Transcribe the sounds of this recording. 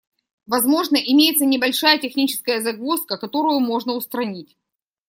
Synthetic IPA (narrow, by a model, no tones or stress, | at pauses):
vɐzmo̞ʐnəʔɪmʲejɪt̪sənʲɪbɐlʲʂajətʲɪxnʲit͡ɕɪ̥skəjəzɐɡvuskəkɐt̪o̞ɾʊjʊmo̞ʐnəʊst̪ɾɐnʲitʲ